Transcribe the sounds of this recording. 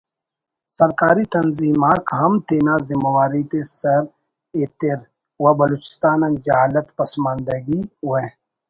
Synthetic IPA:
sɐɾkaːɾit̪ɐnziːmaːkɦɐmt̪eːnazɪməwaːɾit̪esɐɾ | eːt̪eɾ | wabɐloːt͡ʃɪ̥st̪aːnɐ̃nd͡ʒaːlət̪pɐsmãːnd̪əɡiɦʊẽ

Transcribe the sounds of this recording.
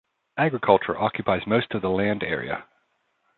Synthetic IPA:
æɡɹɨkʰʌlˠt͡ʃə̰˞ʔɑkʰjɨpʰaɪzmoʊstʌvðəlæ̃ndɛ̰ɹḭə̰

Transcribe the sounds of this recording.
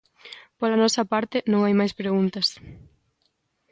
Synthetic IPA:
polɐnɔsɐpaɾt̪ɪnõŋajmajspɾeɣunt̪ɐs

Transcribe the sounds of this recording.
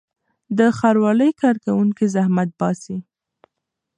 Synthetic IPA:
d̪əxaɾwɑləjkɑɾkawuŋkizahmat̪̚bɑsi

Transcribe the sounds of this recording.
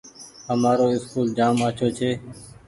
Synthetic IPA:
həmaːɾoːɪskuːld͡ʒaːmaːt͡ʃʰoːt͡ʃʰeː

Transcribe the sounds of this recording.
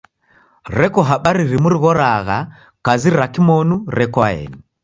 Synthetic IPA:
ɾɛkɔɦaɓaɾiɾimuɾiɣɔɾaɣa | kaziɾakimɔnuɾɛkwaɛ̰ni

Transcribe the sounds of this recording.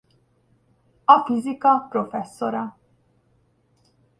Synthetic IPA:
ɐfizikɐpɾɔfɛsːɔɾɐ

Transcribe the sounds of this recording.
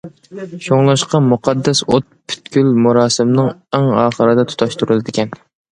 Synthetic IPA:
ʃoŋlˠɑʃqɑmuqʰɑd̪ːɛsot̪̚pʰy̥t̪̚kʲylmuɾɑːsɨmnɨŋɛŋɑːχəɾɨd̪ɛt̪ʰu̥t̪ʰɑʃt̪ʰuɾɨlˠɨd̪ɪkʲɛn

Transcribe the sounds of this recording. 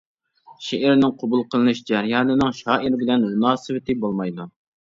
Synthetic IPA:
ʃeʔɪɾnɪŋqʰobulˠqʰəlˠɨnɨʃd͡ʒɛɾjɑːnɨnɨŋʃɑːʔiɾɪbɪlɛnmunɑːsɨvɪt̪ʰɪbolˠmɑjd̪u

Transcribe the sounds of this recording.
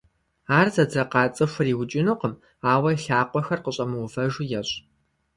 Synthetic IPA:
aːrzɐd͡zɐqɑːt͡sʼɨxʷɐriːwʊt͡ʃʼɪnuqəm | aːwɐɬaːqʷɔxɐrqəɕʼɐmɨwʊfɐʒujɛɕʼ

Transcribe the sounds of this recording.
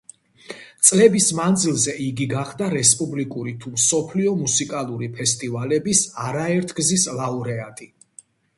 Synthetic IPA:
t̪sʼlɛbismand̪zilˠzɛʔiɡiɡaχd̪aɾɛspʼublikʼuɾit̪ʰumsɔpʰliɔmusikʼalˠuɾipʰɛst̪ʼivalɛbisaɾaɛɾt̪ʰɡzislˠauɾɛat̪ʼi

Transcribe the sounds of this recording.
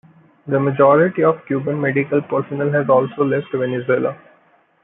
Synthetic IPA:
d̪əməd͡ʒɔːɾɪʈiɔʋkjuːbə̃nmeɖɪkəlpəɾsənəlɦɛzɔːlsoːlɛfʈʋenesʊeːla

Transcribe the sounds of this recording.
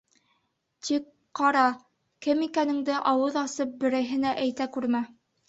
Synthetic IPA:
t̪ik | qɑɾɑ | kɘmikænɘ̆ŋd̪ɘʔɑwɤðɑsɤp̚bɘ̆ɾɘ̆ɦɘ̆næʔæjt̪ækʉɾmæ

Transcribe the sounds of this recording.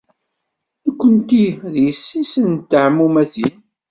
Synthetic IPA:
ækʷːənt̪iðjəsːisənt̪ːəʕmːumæθin

